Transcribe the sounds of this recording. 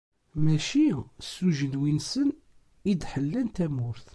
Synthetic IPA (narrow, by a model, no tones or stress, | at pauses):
mæʃisːuʒənwinsən | id̪ħəlːænt̪æmʊɾθ